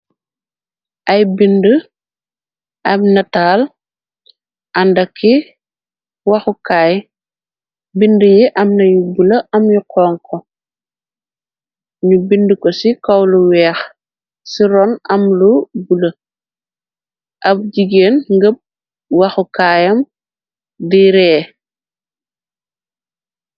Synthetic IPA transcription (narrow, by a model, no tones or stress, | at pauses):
ʔɐjbində | ʔɐmnɐtaːl | ʔɐndɐkʰːi | wɐxukaːj | bindəjiʔɐmnɐjubulɐʔɐmjukʰɔːŋkʰɔ | ɲubindukɔsikɐwluwɛːx | siɾɔnɐmlubulɐ | ʔɐb̚ɟiɡeːnŋɡəb̚ | wɐxukaːjɐm | diɾɛː